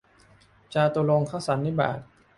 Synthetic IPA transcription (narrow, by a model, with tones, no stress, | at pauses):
t͡ɕaː˧t̪u˧lo˧ŋkʰaː˦˥˩wsa˩˦nːi˦˥˩ba̰ː˨˩t̪̚